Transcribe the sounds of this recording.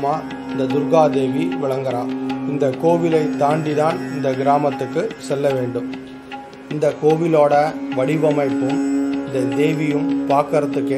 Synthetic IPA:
maː | ɪnd̪ɐd̪ʊɾɡaːd̪eːʋiʋɪɭɐŋɡɐɾaːɪnd̪ɐkoːʋɪlɐɪt̪ːaːɳɖɪðaːnɪnd̪ɐɡɪɾaːmɐt̪ːɯkːɯsɛlːɐʋeːɳɖɯm | ɪnd̪ɐkoːʋɪloːɽɐʋɐɽɪʋɐmɐɪpːɯmɪnd̪ɐd̪eːʋɪjɯmpaːkɐɾɐt̪ːɯkːe

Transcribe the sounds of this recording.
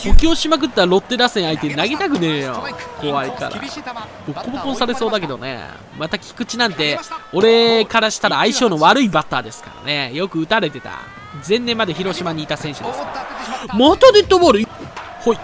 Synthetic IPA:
okʲio̞ɕimak̬ɯ̟t̪ːaɾo̞t̪ːe̞ɾaːsẽait̪e̞naɡe̞t̪akɯ̟neːjo̰ko̞βaika̰ɾa̰bokʰompːõsaɾe̞so̞ːd̪ak̬e̞d̪o̞nḛ | mat̪akʲi̥kɯ̟t͡ɕinãnt̪e̞o̞ɾe̞kaɾaɕi̥t̪aɾaːiɕo̞ːno̞βaɾɯ̟ibat̪ːaːd̪e̞sɨ̥ka̰ɾa̰nejokɯ̟ɯ̟t̪aɾe̞t̪e̞t̪a̰ | zẽ̞nːẽ̞mːad̪e̞çiɾo̞ɕimaɲ̟iːt̪asẽ̞ɰ̃ɕɯd̪e̞sɨ̥kamot̪od̪et̪ːoboɾɯ̟ | hoi

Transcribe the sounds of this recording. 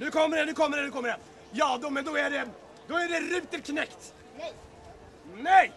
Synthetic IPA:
nʉːkʰɔmːəɖɛnʉkʰɔmːəɾɛnʉːkʰɔmːəɖɛ | jɑːd̪ɔmɛnd̪ɔæɖɛ | d̪ɔæɖɛɾʏːt̪əlkʰnɛkt̪ | nɛj

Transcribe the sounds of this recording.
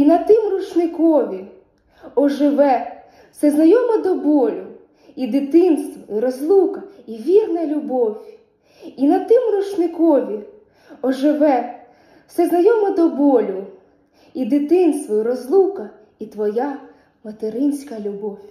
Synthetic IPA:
inɐt̪ɪmrʊt͡ʃnɪkɔʋʲi | ɔʒɪʋɛ̥ | sɛznɐjɔmɔd̪ɔbɔlʲʊ | id̪ɪt̪ɪnst̪ʋɔiɾɔzlˠukɐiʋʲirnɐlʲʊbɔwʲ | inɐt̪ɪmɾʊt͡ʃnɪkɔʋʲi | ɔʒɪʋɛ | w̥sɛznɐjɔmɔd̪ɔbɔlʲʊ | id̪ɪt̪ɪnst̪ʋɔiɾɔzlˠukɐ | it̪ʋɔja | mɐt̪eɾɪnʲsʲkɐlʲʊbɔwʲ

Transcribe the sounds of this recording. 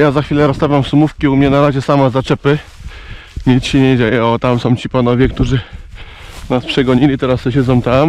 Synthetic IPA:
jazaxfʲilɛɾɔst̪avʲamfsumufkʲiumɲɛnaɾaʑɛsamazat͡ʂɛpɘ | ɲit͡ɕɕɛɲɛd͡ʑejɛɔt̪amsɔ̃w̃t͡ɕipanɔvʲjɛkt̪uʐɘ | naspʂɛɡɔɲilʲit̪ɛɾasːɛɕ̬ɛd̪ɔ̃w̃t̪am

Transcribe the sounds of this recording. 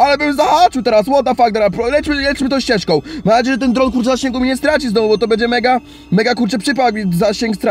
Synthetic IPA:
alɛvɛmzaxat͡ʂɘt̪ɛɾaswɔt̪afaɡ̚d̪ɛɾapɾɔlɛt͡ʂmɘlɛt͡ʂmɘt̪ɔ̃w̃ɕt͡ɕɛʂkɔ̃w̃mamnad͡ʑejɛʐɛt̪ɛnd̪ɾɔnkuɾt͡ʂɛzaɕẽŋɡumʲiɲɛst̪ɾat͡ɕizd̪ɔmubɔt̪ɔbɛɲd͡ʑɛmɛɡa | mɛɡakuɾt͡ʂɛpʂɘp̬aizaɕeŋkst̪ɾa

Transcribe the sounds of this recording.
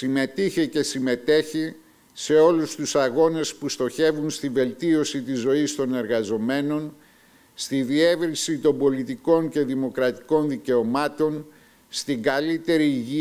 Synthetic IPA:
sime̞t̪içece̞sime̞t̪e̞çi | se̞o̞lust̪usɐɣo̞ne̞spust̪o̞çe̞vunst̪ive̞lt̪io̞sit̪izo̞ist̪o̞ne̞ɾɣɐzo̞me̞no̞n | st̪iðie̞vɾisit̪o̞mbo̞lit̪iko̞ɲce̞ðimo̞kɾɐt̪i̥ko̞nðice̞o̞mɐt̪o̞n | st̪iŋɡɐlit̪e̞ɾiːʝi

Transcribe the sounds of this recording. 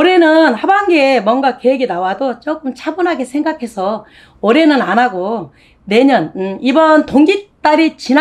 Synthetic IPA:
ʌɾe̞nɯnhabanɡemwʌnɡakeeɡinawadot͡ɕʌk͈ɯmt͡ɕʰabunɦaɡesʰe̞ŋɡakʰe̞sʰʌ | ʌɾe̞nɯnanaɡo | ne̞ɲʌnibʌntoŋɡit͈aɾit͡ɕin

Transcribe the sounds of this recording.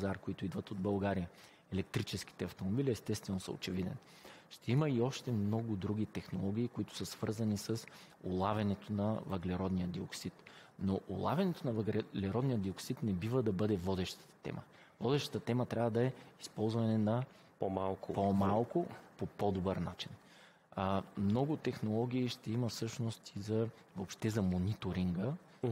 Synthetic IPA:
pzaɾkoit̪ʊid̪vət̪od̪̚bɐlˠɡaɾijə | ɛlɛk̚t̪ɾit͡ʃɛsk̟i̥t̪ɛɐft̪omobilʲiɛst̪ɛst̪vɛnosə̰o̰t͡ʃɛvid̪ɛ̰n | ʃt̪ɛiməiɔʃt̪ɛmnɔɡʊd̪ɾuɡ̟ʲit̪ɛxnolˠɔɡʲiːkoit̪ʊ̥səsv̥ɤɾzɐnisəs | ʊlˠavʲɐnɛt̪onɐvɐɡlɛɾɔd̪nijəd̪ioksit̪ | noʔʊlˠavʲɐnɛt̪onɐvəɡlɛɾɔd̪nijəd̪d̪ioksit̪nɛbivəd̪ɐbɤd̪ɛvɔd̪ɛʃt̪ə̥t̪ə̥t̪ɛ̰mʔə̰ | vɔd̪ɛʃt̪ɐ̥t̪ət̪ɛmət̪ɾʲavəd̪ɐɛispɔlˠzvɐnɛnɐ | pomalˠkʊpomalˠkʊpopɔd̪obəɾnat͡ʃin | mnɔɡʊt̪ɛxnolˠɔɡ̟ʲiːʃt̪ɛimɐfsɤʃnost̪izɐ | voːpʃt̪ɛzɐmonit̪oɾiŋɡə

